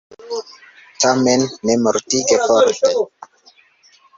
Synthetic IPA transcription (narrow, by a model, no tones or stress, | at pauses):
tamenːemoɾtiɡefɔɾte